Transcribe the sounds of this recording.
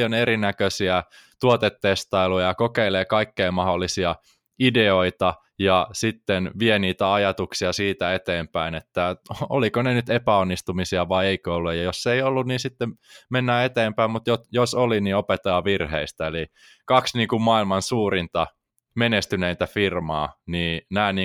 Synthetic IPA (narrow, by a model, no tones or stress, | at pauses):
oneɾinækøsiæ | t̪uot̪et̪ːest̪ɑilujɑkokeileːkɑikːeimɑholːisiɑ | ideoit̪ɑ | jɑsit̪ːenʋieniːt̪æɑjɑt̪uksiɑsiːt̪æet̪eːmpæinet̪ːæo̰likonenyt̪epæonːist̪umisiɑʋɑieikøolːuejjɑjosːeiolːunniːnsit̪ːemmenːæːet̪eːmpæimmut̪jot̪josoliniːopet̪ːɑjɑʋirheist̪æeli | kɑksniːŋkummɑilmɑnsuːɾint̪ɑ | menest̪yneint̪æfirmɑːniːnæːniː